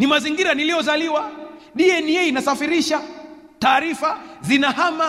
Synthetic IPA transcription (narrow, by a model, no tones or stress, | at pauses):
nimaziŋɡiɾanilijɔzaliwa | ɗiɛniɛinasafiɾiʃa | taːɾifazinahama